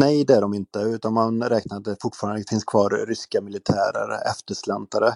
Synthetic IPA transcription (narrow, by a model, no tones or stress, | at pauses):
nɛjd̪ɛæɖɔmɪnt̪əʉ̟ːt̪anmanɾɛːknaɾat̪̚d̪ɛfʊʈːfɑːɾand̪əfɪnskʰvɑːɾːʏskamɪlɪt̪ʰæ̰ːɾə̰ɾɛ̰ft̪əʂlɛnt̪aɾə